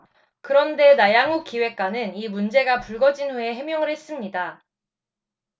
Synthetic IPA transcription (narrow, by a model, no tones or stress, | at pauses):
kɯɾʌnde̞najaŋuk͈iwe̞k̚k͈wanɯnimund͡ʑe̞ɡapuɭɡʌd͡ʑinweeɦe̞mjʌŋɯɭhe̞s͈ɯmɲida